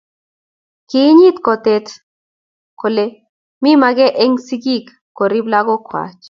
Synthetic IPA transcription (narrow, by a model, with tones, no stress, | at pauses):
ki˦ɲi˦t̪kɔ˨t̪e˦t̪ | ko˨le˦ | mi˦ma˧ɡɛ˦ʔe˦ŋsi˦ɡi˦kːo˨ɾi˦bla˦ɡo˦kwa̰˨t͡ʃ